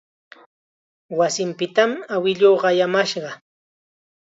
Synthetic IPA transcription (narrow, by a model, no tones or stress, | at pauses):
wasɪmpɪt̪amawɪʎoːɢɑjamaʃɢɑ